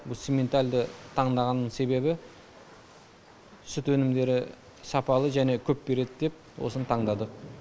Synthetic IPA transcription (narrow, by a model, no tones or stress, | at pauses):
bʊlˠsemʲe̞nt̪aɾʲd̪ət̪ʰɑɴd̪ɑʁɑnːəɴse̞be̞bɪ | sʏt̪wɵnɪmd̪e̞ɾɪ | sɑpɑlˠəʒæne̞kʲʰɵpbe̞ɾe̞d̪ɪd̪e̞p̚wo̞̰sənt̪ʰɑɴd̪ɑd̪əq̚